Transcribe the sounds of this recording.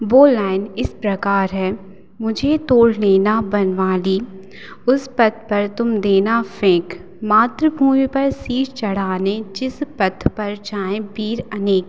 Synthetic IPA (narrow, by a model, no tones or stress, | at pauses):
boːlaːɪnɪspɾɐkaːɾɦɛː | mʊd͡ʒʱet̪oːɽ̤leːnabɐnʋaːliː | ʊspɐt̪̚ʰpɐɾt̪ʊmd̪eːnafẽːk | maːt̪ɾəbʱuːmipɐɾsiːt͡ʃt͡ʃɐɽ̤aːned͡ʒɪspɐt̪ʰpɐɾd͡ʒaːẽbiːɾɐneːk